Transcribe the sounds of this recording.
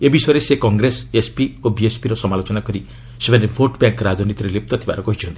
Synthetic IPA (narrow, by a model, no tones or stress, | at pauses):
ebisʌɾesekɔŋɡɾesespiobiespiɾɔsɔmalot͡ʃɔnakɔɾi | sebanebʱoʈbjaŋkɾad͡ʒɔnit̪iɾelep̚t̪ɔt̪ʰibaɾɔkɔɦit͡ʃʰɔnt̪ii̥